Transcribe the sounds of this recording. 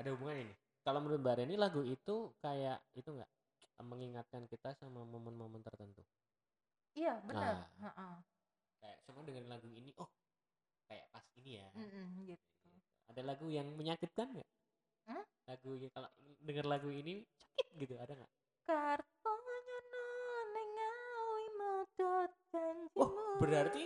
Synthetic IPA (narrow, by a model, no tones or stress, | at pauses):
adaɦubuŋanini | kalomənɾʊt̪̚baaɾanilaɡuit̪ukajaʔit̪uŋɡa̰ʔ | məŋiŋat̪̚kankit̪asamamomənmomənt̪ərt̪ənt̪u | ijabənanəraʔə | kaja̰ʔsamadəŋarnlaɡuiniʔɔh | kaja̰ʔpasinija̰ɡit̪ | uua̰dalaɡujaŋməɲakɪt̪̚kanɡa̰ʔ̩ | laɡujakaloʔdəŋərlaɡuinit͡ʃḁkɪt̪̚ɡit̪uadaŋɡa̰ʔ | kart̪̚ɔɲananəŋaimadɔt̪̚ɡaɲd͡ʒimubəɾart̪i